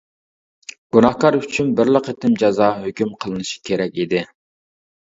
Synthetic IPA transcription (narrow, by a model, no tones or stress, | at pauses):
ɡ̥unɑχkɑɾyt͡ʃʰynbɪɾlˠəqet̪ɪmd͡ʒɑzɑɦøkʲymqʰəlˠɨnɨʃi̥kʲʰeɾɛk̚ʲid̪ɪ